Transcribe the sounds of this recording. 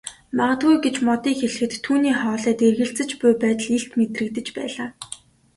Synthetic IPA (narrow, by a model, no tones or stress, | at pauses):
maʁə̆t̪ɣujɡet͡ɕmɔt̪iːxeɮɘ̆xɘ̆t̪ʰːuːniːχɔːɮæːt̪erɣɘ̆ɬt͡sɘ̆t͡ɕpʊjpæːt̪ə̆ɮeɬt̪met̪rɘ̆k̚t̪ɘ̆t͡ɕpæ̰ːɮaː